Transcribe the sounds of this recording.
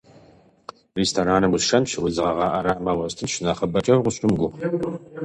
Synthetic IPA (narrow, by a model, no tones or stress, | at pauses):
restʰoːɾaːnɐwʊsʃɐnʃɪwʷʊzɨʁɐʁɑːʔɐɾaːmɐwɐstʰɨnʃɪnaχɐbɐt͡ʃʼɐwʁʷʊɕʼʊmɡʷʊʁ